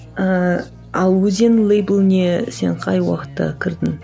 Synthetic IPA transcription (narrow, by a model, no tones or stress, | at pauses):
ə | ɑlˠwɵzenlˠejbəlˠnese̞̰ɴqʰɑjwɑ̰qə̥t̪ːə̰kʲʰɪɾd̪ɪŋ